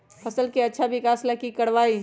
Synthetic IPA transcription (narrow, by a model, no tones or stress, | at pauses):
fɐsəlkiɐtːʃʰaʋɪkaːslɐkikɐɽʋaːi